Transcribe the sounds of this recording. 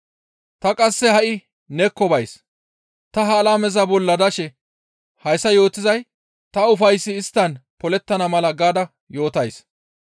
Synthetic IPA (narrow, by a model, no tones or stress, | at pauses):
t̪ɐkʼɐsːɛhɐʔɪ | nɛkːɔbɐjs | t̪ɐɦɐːlaːmɛzɐbɔlːɐd̪ɐʃɛ | hɐjsːɐjo̞ːt̪ɪzɐj | t̪ɐʊfɐjsːɪːst̪ːɐnpɔlɛt̪ːɐnɐmɐlɐɡaːd̪ɐ | jo̞ːt̪ɐjs